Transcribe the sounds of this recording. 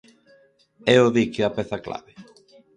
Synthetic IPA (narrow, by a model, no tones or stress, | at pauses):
eoðikeapeθakla̰βe